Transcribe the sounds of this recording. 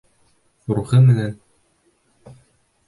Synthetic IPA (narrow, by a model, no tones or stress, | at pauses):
χuɾuχɤmɘ̆næn